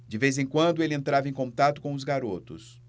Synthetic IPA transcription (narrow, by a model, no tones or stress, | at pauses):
d͡ʒɪvezẽkwɐ̃nd̪ʊelɪẽnt̪ɾavɐẽkõt̪at̪ʊ̥kõʊzɡaɾot̪ʊs